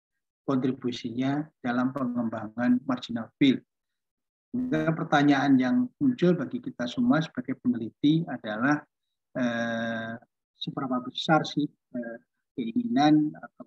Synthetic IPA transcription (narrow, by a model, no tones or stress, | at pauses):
kɔnt̪ɾibusiɲad̥alampəŋəmbaŋanmard͡ʒinalfɪl | kapərt̪aɲaːnjaŋmuɲt͡ʃʊlbaɡikit̪asumasə̥b̥aɡajpəŋəlit̪iadalah | ə | səbəɾapabəsarsɪh | ə | kəiŋinanat̪a